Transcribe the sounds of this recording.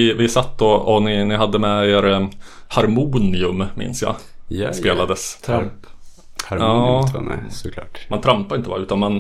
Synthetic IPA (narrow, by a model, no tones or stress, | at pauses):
ɪvɪsat̪ːɔɔnɪnɪɦad̪ːəmɛeːɾhaɾmuːnɪɵmmɪ̰nsjɑ̰jspeːlad̪əsʰɾ | hɑ̰ | ɔlɑ̰ːʈmant̪ʰɾampːaɾɪnt̪əbɑːɾaʉ̟ːt̪anman